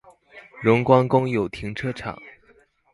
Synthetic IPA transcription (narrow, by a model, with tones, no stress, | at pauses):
ɻʊ˧˥ŋkwɑ˥ŋkʊ˥ŋjo˨˩ʊt̪ʰi˧˥ŋʈ͡ʂʰɤ˥ʈ͡ʂʰɑ̰˨˩˦ŋ